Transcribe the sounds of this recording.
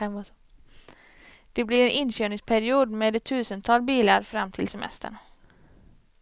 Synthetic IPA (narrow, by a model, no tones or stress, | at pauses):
d̪̥ɛblɪɾɛnʔɪnːɕøːɳɪŋspʰæɾɪuːd̪meːd̪ɛt̪ʰːʉ̟ːsənt̪ʰɑːlbiːlaɾfɾamːt̪ʰɪlsɛmɛ̰st̪ʰə̰ɳ